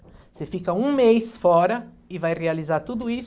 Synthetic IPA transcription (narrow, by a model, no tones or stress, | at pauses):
sefikɐũmejsfɔɾɐ | ɪvajrealizaɾt̪ud̪ʊis